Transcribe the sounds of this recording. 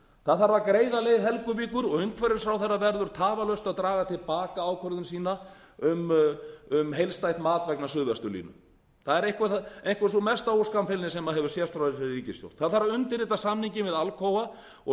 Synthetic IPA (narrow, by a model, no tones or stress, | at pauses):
θaðθaɾvaɾkɾeːjðalejðɦɛlkʏviːkʏɾɔɣʏŋkʰvɛɾɪɾ̥fɾawθɛrːavɛɾðʏɾ̥t̪ʰaːvalœst̪aðt̪ɾaːɣat̪ʰɪlpaːkaaːwkʰœɾðʏnsiːna | ʏm | ʏmɦejlst̪ajt̪maːt̪vɛknasʏːɣvɛst̪ʏlḭːnʏ | θaðɛɾejŋkvaejŋkvasɔmɛst̪aowskamfɪlnɪsɛmaðɦɛvʏ̥sjɛst̪ɾawɪsɾriːcɪst̪jo̰w̥t̪θaðθaɾvaʏnt̪ɪɾiːt̪asamniɲcɪmvɪðalkʰoːwva | ɔ